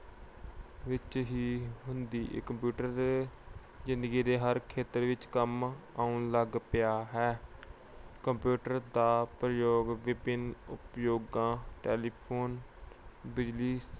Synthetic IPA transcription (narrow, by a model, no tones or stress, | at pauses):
ʋɪt͡ʃɦiːɦʊnd̪ḭːkəmpjuːʈəɾd̪eː | zɪ̃nd̪əɡiːd̪eːɦəɾkʰeːt̪əɾʋɪt͡ʃkəmaːũːləɡpɪjaːɦɛː | kəmpjuːʈəɾd̪aːpɾəjoːɡʋɪbɪnʊpjoːɡãːʈɛːliːpʰoːn | bɪd͡ʒliːs